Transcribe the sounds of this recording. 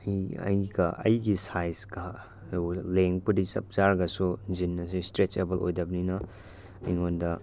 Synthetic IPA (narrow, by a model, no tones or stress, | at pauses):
jɐ̰jɡɐʔɐ̰jɡisajsɡɐ | leŋpudisɐ̰p̚zaɾɡɐsuzinːɐsistɾet͡ʃebɐlʔo̰jdɐbninɐ | ijŋondɐ